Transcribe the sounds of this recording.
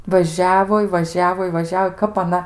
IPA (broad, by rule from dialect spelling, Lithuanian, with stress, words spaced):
ʋɐˈʒʲæːʋoː ɪ ʋɐˈʒʲæːʋoː ɪ ʋɐˈʒʲæːʋoː ˈkɐp ɐˈnɐ